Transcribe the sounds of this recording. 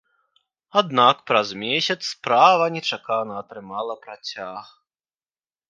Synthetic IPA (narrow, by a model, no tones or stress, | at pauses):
ad̪nakpɾazmʲesʲɐt̪sspɾavɐnʲɛt͡ʂakanɐːt̪ɾɨmalˠɐpɾat͡sʲax